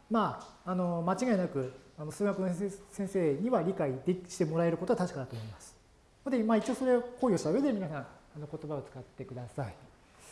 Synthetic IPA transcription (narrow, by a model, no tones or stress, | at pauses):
maːno̞mat͡ɕiɡainakɯ̟ano̞sɨːɡakɯnosẽse̞ːɲ̟iβaɾʲikaid̪eɕi̥t̪emo̞ɾae̞ɾɯko̞t̪oat̪aɕi̥kad̪at̪o̞ːmo̞imasɨ̥ | hod̪emait͡ɕijoːso̞ɾeoko̞ːio̞ɕi̥t̪aɯ̟e̞d̪eminasãŋ̃ano̞ko̞t̪o̞baot͡sɨ̥kat̪ːe̞kɯ̟d̪asai